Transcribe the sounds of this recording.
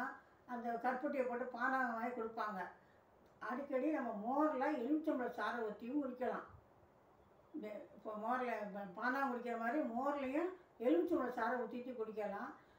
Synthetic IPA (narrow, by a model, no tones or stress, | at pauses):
ɐnd̪ɐkɐɾpɐʈ̬ːɪjɐpoːʈːɯpaːnaːɐmaːjikɔɽɯpːaːŋɡɐ | ɐɽɯkːɐɽinɐmːɐmoːɾɐlaːɛɻɯʋt͡ʃːɐmbɭɐsaːɾɐʊt̪ːɪjɯ̃mʊɾɪkːɐlã̰ː | ɪpːoːmoːɾɐlɐpaːnaːʊɾɪkːɪɾɐmaːd̪ɾimoːɾɐlɐjʊ̃ɛɻɯʋt͡ʃːɐmɐɭɐsaːɾɐ̃ʋʊt̪ːɪt̪ːɯkɔɽɯkːɐlãː